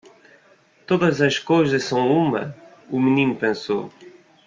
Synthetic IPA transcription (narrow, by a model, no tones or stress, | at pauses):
t̪oðɐzɐʃkojzɐʃsɐ̃w̃umɐ̰ | umɨnĩnupẽso̰